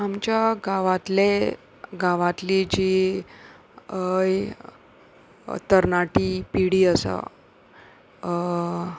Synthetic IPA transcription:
amt͡ɕjaɡaʋat̪le | ɡaʋãt̪lid͡ʑi | j | t̪əɾnaʈipiɽiːəsa̰

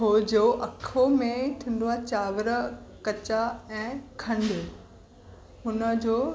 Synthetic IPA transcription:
ɦod͡ʑoːʔɐkʰomẽt̪ʰĩːn̆d̪oat͡ɕaːʋəɾə̆kɐt͡ɕaɛ̃ːkʰɐ̃nɖ̪ | ɦʊnə̆d͡ʑoː

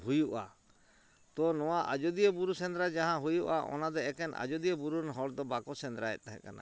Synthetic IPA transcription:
ɦujuʔa̰ | t̪ɔnɔwaʔa̰d͡ʒɔd̪ijəbuɾusɛ̃nd̪ɾad͡ʒaɦãɦujuʔa̰ʔɔ̰nad̪ɛɛkɛnʔa̰d͡ʒɔd̪ijəbuɾunɦɔɽd̪ɔbakɔsɛnd̪ɾaɛ̰t̪̚t̪aɦɛ̰̃kana̰

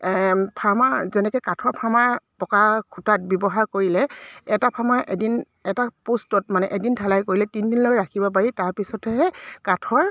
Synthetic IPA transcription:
pʰamazɛnɛkɛkatʰɔɹpʰamaɹpɔkakʰutat̚bɔbɔɦaɹkoɹilɛɛtapʰamaʔedin | ɛtapostɔtmanɛʔedintʰalajkoɹilɛtindinlojɹakʰibɔp̬aɹitaɹpisɔtɛɦɛkatʰɔɹ

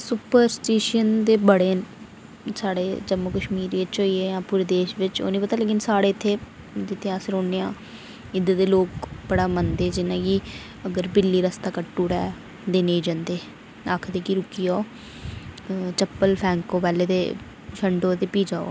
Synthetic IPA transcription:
sʊpəɾsʈeːʃənd̪eːbəɽeːn | saːɽeːd͡ʒəmʊkəʃmiːɾɪt͡ʃɦoːieːjãːpuːɾeːd̪eːʃʋɪt͡ʃo̰ːniːpət̪aːleːkɪnsaːɽeːt̪ʰːeː | d̪ɪt̪ʰːeːaːsəɾoːneːãː | ɪd̪əd̪eːloːkbəɽaːmənd̪eːd͡ʒɪnãːki | əɡəɾbɪlːiːɾəst̪aːkəʈːuːɾɛ̰ː | d̪eːnẽːd͡ʒãːnd̪eː | aːkʰd̪eːkiɾʊkːiːoː | t͡ʃəpːəlpʰɛ̃ːŋkoːpɛːleːd̪eː | ʃʰəɳɖõːt̪eːpiːd͡ʒaːo̰ː

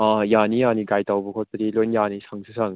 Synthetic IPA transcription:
ajanijaniɡajtawbɔkʰɔt̚ːɐdilɔjnjanisʰaŋsʰɯsʰaŋ

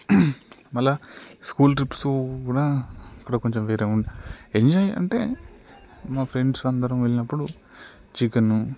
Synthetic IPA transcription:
mɐlːaskuːlʈɾipːsokuːɽaːɐkːɐɽako̞ɲt͡ʃemʋeːɾeːuɳɖie̞ɲd͡ʒajɐ̰ɳʈe̞̰ː | maːpʰɾe̞ɳɖsɐnd̪ɐɾɐmʋe̞ɭinɐpːuɽu | t͡ʃikɐnːu

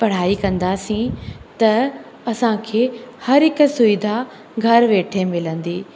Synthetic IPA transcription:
pɐɽ̤aːikɐ̃nd̪asĩt̪ɐ | ɐsãkʰeːhɐɾɦɪk̆sʊɪd̪ʱa | ɡʱɐɾʋeːʈʰemɪlə̃nd̪iː

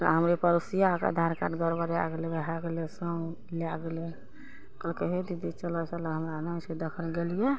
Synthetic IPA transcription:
t̪ɔ̰ɦəmɾepəɾusijaka̰d̪ʱaɾka̰ɖɡəɾbəɾja̰ɡlebəɦaɡelesə | laɡele | kəlkeɦed̪id̪it͡ʃələt͡ʃələɦəmɾanased̪əkʰəlɡelije

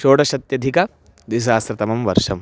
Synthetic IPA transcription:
ʃoːʈɐʃɐt̪jɐd̪ʱikɐ | d̪is̬aːsɾɐt̪ɐmɐmʋɐɾʂɐm

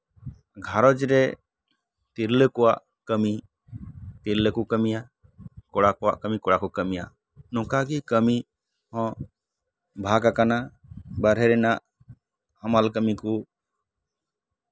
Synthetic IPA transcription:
ɡʱaɾɔd͡ʒɾɛ | t̪iɾləkɔwaʔ | kəmi | t̪iɾləkukəmija | kɔɽakɔwa̰ʔkəmikɔɽakukəmija̰ʔ | nɔ̃kaɡikəmi | hɔ̃ | bʱaɡakana | baɾɦɛɾɛnaʔ | hamalkəmiku

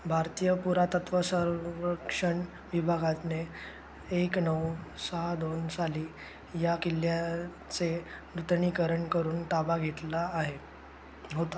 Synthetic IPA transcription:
bʱaɾt̪ijəpuɾat̪ət̪ʋəsəɾəkʂəɳ | ʋibʱaɡat̪ne | eknəwsəɦad̪onsaliː | jakilːja | t͡seɾut̪ɳikəɾəɳkəɾuːnt̪abaɡʱet̪laːɦe | ɦot̪a

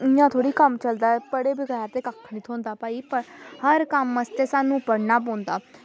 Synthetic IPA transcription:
ɪjãːt̪ʰoːɽiːkəmt͡ʃəld̪aːɛpəɽeːbɪɡaːaːt̪eːkakʰnit̪ʰõːnd̪aːpaːiːpəɾhəɾkəmːəst̪eːsaːnũːpəɽnaːp̬õːnd̪aː

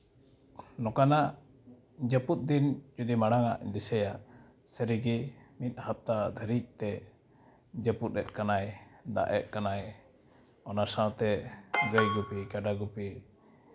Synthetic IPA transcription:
nɔkana | d͡ʒəput̪̚d̪ind͡ʒud̪imaɽaŋaʔd̪isəjaʔ | səɾiɡimit̪̚ˀhap̚t̪ad̪ʱəɾic̚t̪ɛ | d͡ʒəput̪̚ɾɛt̪̚ˀkanajd̪a̰ʔɛt̪̚kanaj | ɔnasãwt̪ɛɡəjɡupikaɖaɡupi

